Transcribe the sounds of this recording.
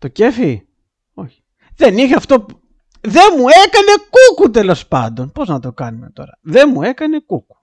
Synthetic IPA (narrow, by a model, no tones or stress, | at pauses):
t̪o̞ce̞fi | o̞çi̥ | ðe̞nixeɐft̪o̞pu | ðe̞mue̞kɐne̞kukut̪̬e̞lo̞spɐ̰nd̪o̞npo̞znɐt̪o̞kɐnume̞̰t̪o̞̰ɾɐðe̞mue̞kɐne̞kuku̥